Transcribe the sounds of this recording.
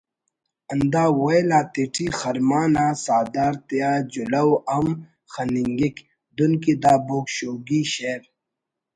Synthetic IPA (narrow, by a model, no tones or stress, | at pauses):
ɐnd̪aːwojlaːt̪iʈʰiːxɐɾmaːnaːsaːd̪aːɾt̪ijaːd͡ʑulɐwɐm | xɐniŋɡik | d̪unkid̪aːboːkɕoːɡiːɕeɾ